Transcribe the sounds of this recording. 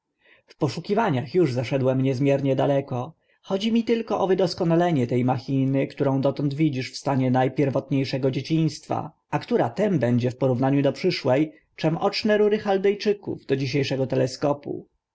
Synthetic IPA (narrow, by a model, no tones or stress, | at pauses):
fpɔʂukʲivaɲaxjuʐzaʂɛd̪wɛmɲɛzmʲjɛɾɲɛd̪alɛkɔ | xɔd͡ʑimʲit̪ɘlkɔʔɔvɘd̪ɔskɔnalɛɲɛt̪ɛjmaxʲinɘkt̪uɾɔ̃w̃d̪ɔt̪ɔnd̪vʲid͡ʑiʂfst̪aɲɛnajpʲjɛɾvɔt̪ɲejʂɛɡɔd͡ʑet͡ɕij̃st̪fa̰ | akt̪uɾat̪ɛmbɛɲd͡ʑɛfpɔɾuvnaɲud̪ɔpʂɘʂwɛj | t͡ʂɛmʔɔt͡ʂnɛɾuɾɘxald̪ɛjt͡ʂɘkṵvd̪ɔd͡ʑiɕ̬ejʂɛɡɔt̪ɛlɛskɔpṵ